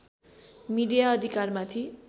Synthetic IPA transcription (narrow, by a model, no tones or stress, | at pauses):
miɖijaʌd̪ʱikarmat̪ʰi